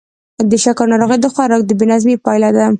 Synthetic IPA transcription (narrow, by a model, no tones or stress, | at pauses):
d̪əʃakaɾnɑɾoɣad̪əxwɑɾɑk̚d̪əbenazmepɑjlad̪a